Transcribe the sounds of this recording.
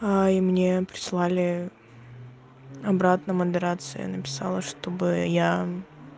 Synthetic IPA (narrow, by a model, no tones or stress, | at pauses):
aimnʲepɾʲɪ̥slˠalʲɪ | ɐbɾat̪nəməd̪ɨɾat̪sɨjə̰nəpʲɪ̥sa̰lˠəʂt̪o̞bɨja